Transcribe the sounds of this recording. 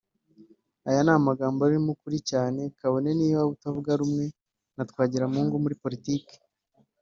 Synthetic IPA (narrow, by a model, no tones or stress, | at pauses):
ajanaːmaɡaːmboaɾimukuɾicaːne̞kaβo̞ne̞niːβaβutavuɡaɾumŋe̞ | natkwaːɟiɾamuːŋɡumuɾipo̞ɾitike̥